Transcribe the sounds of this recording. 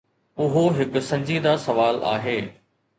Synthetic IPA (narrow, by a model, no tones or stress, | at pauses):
ʊɦoɦɪkʊ̆sɐ̃ɲd͡ʑiːd̪asɐʋaːla̰ːɦeː